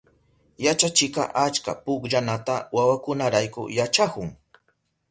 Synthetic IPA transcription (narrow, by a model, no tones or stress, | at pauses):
jat͡ʃat͡ʃɪka̰ʔat͡ʃka̰pʊkʎanat̪awawakʊnaɾajkʊ̰jat͡ʃakʊŋ